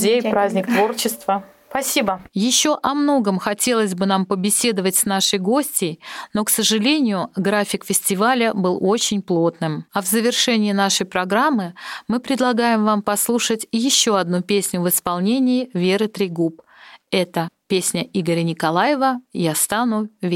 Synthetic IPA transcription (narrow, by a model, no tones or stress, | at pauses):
zʲejpɾazʲnʲɪk̚t̪vo̞rt͡ɕɪst̪vəspɐsʲibəjɪɕːo̞ʔɐmno̞ɡəmxɐtʲe̞lˠəzʲbɨnampəbʲɪsʲe̞d̪əvətʲsnaʂɨjɡo̞sʲtʲɪjno̞ksəʐɨlʲenʲɪjʊɡɾafʲɪkfʲɪsʲtʲɪvalʲəbɨlˠo̞t͡ɕɪnʲplˠo̞t̪nɨmɐvzəvʲɪrʂɛnʲɪːn̪aʂəjpɾɐɡɾamːɨmɨpɾʲɪd̪lˠɐɡajɪmvampɐslˠuʂətʲjɪɕːo̞ɐd̪̚nupʲesʲnʲʊvɨspɐlˠnʲenʲɪːvʲeɾɨt̪ɾʲɪɡupɛt̪əpʲesʲnʲəiɡəɾʲənʲɪkɐlˠajɪvəjast̪anʊvʲ